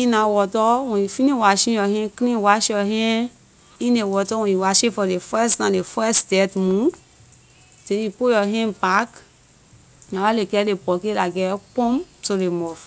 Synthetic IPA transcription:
inãwɔtɔwõifiniwaʃĩɔɦẽkĩwaʃiɔɦẽ | inewɔtɔwõiwaʃefɔlefɛsnãlefɛsdɛtmũ | teĩpojɔɦẽpak | nãwalekɛlepɔkelaɡɛk͡põmtolemɔf

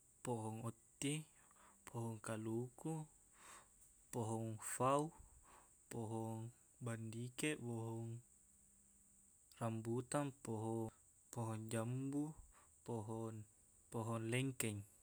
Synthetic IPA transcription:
pɔɦɔŋɔt̪ːi | pʰɔɦɔŋkaluku | pɔɦɔŋfau | pɔɦɔŋ | bandikɛʔwɔɦɔŋ | rambut̪anpɔɦɔ | pɔɦɔŋd͡ʒambupɔɦɔn | pɔɦɔnlɛŋkɛŋ

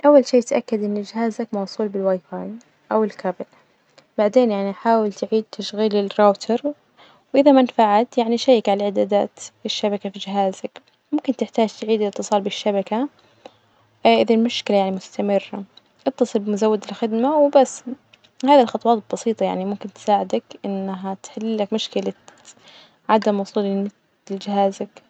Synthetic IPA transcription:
ʔawːalʃiːt̪ʔakːad̪ʔɪnːd͡ʒɪɦaːzakmɑwsˤuːlbɪlwajfaːj | ʔawɪlkʰabɪl | b̥aʕd̪eːnjaʕniʔaħaːwɪlt̪ʕiːd̪̚t̪ʰaʃɣiːlɪlroːt̪ʰɑɾˤ | wʔɪðamanfaʕat̪jaʕniʃajːɪkʕalaʕɪd̪aːd̪a̰ːt̪ɪʃːabakafid͡ʒɪɦaːzak | mʊmkɪnt̪ɪħt̪aːd͡ʒt̪ʕiːd̪ɪlɪt̪ːɨsˤɑːlbɪʃːabaka | ʔɪðalmʊʃkɪlajaʕnimʊst̪amɪrːa | ʔɑt̪ːɑsˤɨlbɪmʊzawːad̪ɪlxɪd̪mawbasː | haːðalxɑt̪ˤwɑːt̪bɑsiːt̪ˤɑja̰ʕnimʊmkɪnt̪ɪ̥saːʕɪd̪akʔɪnːaɦat̪ħɪlːakmʊʃkɪla | ʕad̪amwʊsˤuːlɪmɪ | ld͡ʒɪɦaːzak

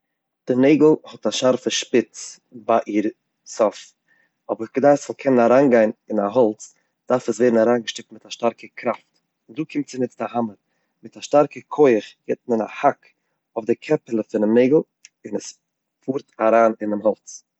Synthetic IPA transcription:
d̥ɪneɪɡl̩ˠhɔtaʃaɾfəʃpɪt͡s | baʔiːɾ | sɔf | ɔbəɡ̥ədaɪsɔlˠkʰɛnənaɾaːnɡaɪnɪnaɦɔlˠt͡s | d̥aɾfəsveːdn̩aɾaːnɡəʃtɪk̚tmɪtaʃtaɾkəkʰɾaft | ɪnduːkʰɪmtt͡sɪnɪt͡stahaməɾ | mɪtaʃtaɾkəkʰɔɪχjɛt̚mənahak | ʊfdɪkʰɛpəlˠəfɪnɪmneɪɡl̩ˠ | ɪnəs | fuːɾtaɾaːnɪnɪmɦɔlˠt͡s

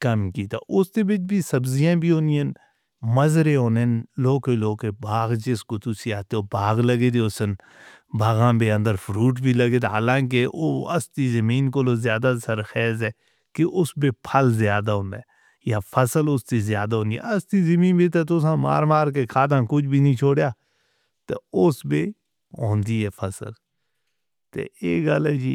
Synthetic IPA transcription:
kəmkiːt̪a̰ːʔʊst̪ebɪt͡ʃbiːsəbzijãːbʱiːɦõːnijẽn | məzɾeɦoːnenloːkeloːkebaːɣd͡ʒɪskot̪ʊsiaːt̪eoːbaːɣləɡeːd̪eosən | baːɣãːbeə̃nd̪əɾfʰʊɾuːʈ̬bʱiːləɡeːd̪aɦaːlãːk̬eoːə̰st̪iːzəmiːnkoloːzjaːd̪asəɾxɛːzɛː | keʔʊsbeːpʰəlzɪjaːd̪aːɦʊ̃ːnd̪aːɛ | jaːpʰəsəlʊst̪iːzɪjaːd̪aːɦõːnd̪iɛ̰əst̪iːzəmĩːnbiːt̪et̪ʊsãːma̰ːɾmaːɾk̬ekʰaːd̪ãːkʊd͡ʒʰbʱiːnĩːt͡ʃʰoːɽjaː | t̪ḛʊsbiː | ɦõːnd̪iːɦɛːpʰəsə̰l | t̪ḛːeːɡəlɛːd͡ʒḭː

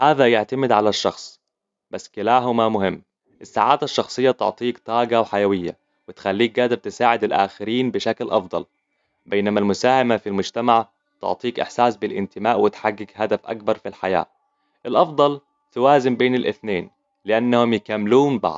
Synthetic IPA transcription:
haːðajaʕt̪amɪd̪ʕalaʃːɑxsˤ | basːkɪlaːɦʊmamʊhɪmː | ʔɪsːaːʕaːd̪aʃːɑxsˤɨjːat̪ʊ̰ʕt̪ˤiːkt̪ˤɑːɡawħajawɪjːa̰ | wɪt̪xalːiːk̚ɡaːd̪ɪɾˤt̪ɪsaːʕɪd̪ɪlʔa̰ːxɪɾiːnbɪʃaklʔɑ̰fd̪ˤɑ̰l | beːnamalmʊsaːhamafilmʊd͡ʒt̪amaʕ | t̪ʊ̰ʕt̪ˤiːkʔɪ̰ħsaːsbɪlʔɪ̰nt̪ɪmaːʔwɪt̪ħaɡːɪɡhad̪afʔa̰k̚bɑɾˤfilħaja̰ː | ʔɪlʔɑfd̪ˤɑl | t̪ʊwaːzɪmbeːnɪlʔɪθneːn | lɪʔanːahʊmjɪkamːluːmbɑ̰ʕd̪̥̚ˤ

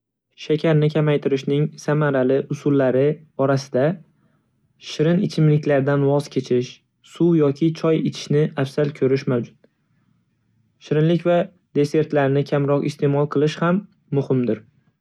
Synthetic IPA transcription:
ʃakʲʰaɾnɪkʲʰamajt̪ʰɪɾɪʃnɪŋsamaɾalɪʔʊsʊlːaɾɪ | ɒɾasɪd̪a | ʃɪɾɪnɪt͡ʃʰɪmlɪkʲlaɾd̪anwɒz̥kʲʰe̞t͡ʃʰɪʃ | sʊwjɒkʲʰɪt͡ʃʰɒjet͡ʃ̪ʰɪ̥ʃnɪʔafsalkʲʰɵɾɪʃmawd͡ʒʊt̪̚ | ʃɪɾɪnlɪkʲva | d̪e̞se̞ɾt̪laɾnɪkʲʰamɾɒqɪst̪ʰe̞mɒlˠqʰɨlˠɪʃhamː | ʊhɪmd̪ɪɾ

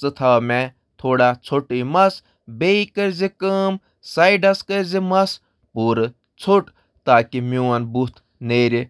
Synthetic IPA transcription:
sɨt̪ʰaːme | t̪ʰoːɽat͡sʰoʈimɐs | beikɐɾzikəm | sɐiɖɐskɐɾʲzimɐs | puːɾ | t͡sʰuʈ | t̪aːkimuːɐnbut̪ʰ | neːɾi

